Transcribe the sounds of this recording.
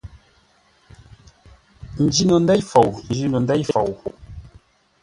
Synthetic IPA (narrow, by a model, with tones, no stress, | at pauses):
n̩˨d͡ʒi˦nɔ˨ndɛ˦jfo˨wn̩˨d͡ʒi˦nu˨ndɛ˦jfo˨w